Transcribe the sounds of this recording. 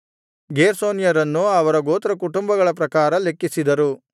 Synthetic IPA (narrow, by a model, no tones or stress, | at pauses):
ɡeːɾsoːnjɐɾɐnːuɐʋɐɾɐɡoːt̪ɐɾɐkuʈumbɐɡɐɭɐp̬ɾɐkaːɾɐle̞kːisid̪ɐɾu